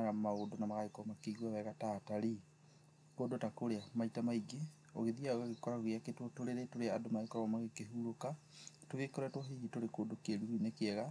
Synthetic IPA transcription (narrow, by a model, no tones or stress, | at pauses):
aɣamaodonamaɣaekɔmakeiɣwawɛɣataːtaɾi | koːdotakoɾeamaitamaiɡe | o̰ɣeðiaoɣaɣekɔɾaɣɣeaketwɔtoɾeɾetoɾeadomaekɔɾɔmaɣekeɦuɾoka | toɣekɔɾatwɔɦiɣitoɾekoːdokeɾuinekeɛɣa